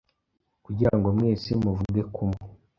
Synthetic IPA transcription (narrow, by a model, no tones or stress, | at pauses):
kuɟiɾaŋɡomwiːsimuvuɡe̞kʰumo